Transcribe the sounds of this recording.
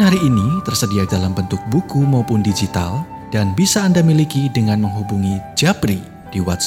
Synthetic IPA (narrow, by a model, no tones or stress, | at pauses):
nhaɾiːnit̪ərsədiadalambənt̪ʊk̚bukumaupʊndid͡ʒit̪a̰l | d̥anbisaːndamilikidəŋanməŋɦubuŋid͡ʒapɾi | d̥iwat̪̚s